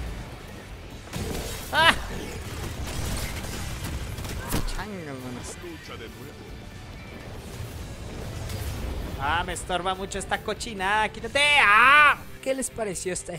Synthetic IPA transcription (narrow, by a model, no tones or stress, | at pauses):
a | t͡ʃaŋamones | ut͡ʃ | amest̪oɾbamut͡ʃoest̪akot͡ʃinakit̪at̪ea | kelespaɾesjost̪e